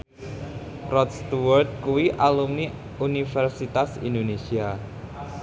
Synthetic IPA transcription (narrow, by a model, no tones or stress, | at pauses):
rɔt̪st̪uwɔrt̪̚kuwiʔalumni | unifɛrsit̪asḭndonesia